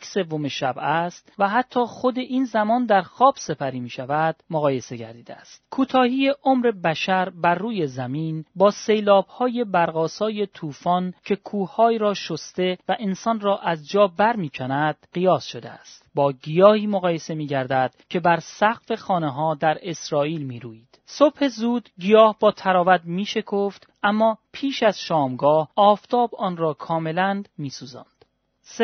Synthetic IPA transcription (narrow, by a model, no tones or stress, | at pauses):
se̞vːomeʃæbæst̪væɦæt̪ʰːɒːxo̞d̪e̞ʔiːnzæmɒːnd̪æɾxɒːb̥se̞pʰæɾiːmiːʃævæd̪̥moɣɒːje̞se̞ɟæ̰ɾd̪iːd̪eæst̪kʰuːt̪ʰɒːhiːje̞ʔomɾe̞bæʃæɾbæɾːuːje̞zæmiːnbɒːse̞jlɒːb̥hɒːje̞bæɾɣɒːsɒːje̞t̪ʰuːfɒːncʰe̞kʰuːhɒːjɾɒːʃost̪e̞væʔensɒnrɒːʔæzd͡ʒɒːbæɾmiːcʰænæd̪̥̚ɢijɒːsʃo̞d̪ḛæ̰st̪bɒːɡijɒːhiːmoɣɒːje̞se̞miːɟæɾd̪æd̪̥cʰe̞bæɾsæɣfe̞xɒːneɦɒːd̪æɾe̞sɾɒːʔiːlmiːɾuːjiːd̪̥sob̥he̞zuːd̪̥ɡijɒːhbɒːt̪ʰæɾɒːvæd̪miːʃe̞kʰoft̪ʔæmːɒːpʰiːʃæz̥ʃɒːmɡɒːhʔɒːft̪ʰɒːbɒːnrɒːkʰɒːme̞lænmiːsuːzɒ̰ːnd̪̥ | s